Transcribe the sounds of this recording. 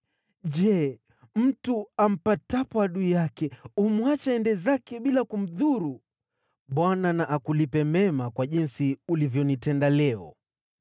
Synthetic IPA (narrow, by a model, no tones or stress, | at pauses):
ʄɛ | m̩tuam̩patapwaɗujakɛumwat͡ʃaɛndɛzakɛɓilakum̩ðuɾu | ɓwananaʔakulipɛmɛmakwaʄinsiulivjɔnitɛndalɛɔ̰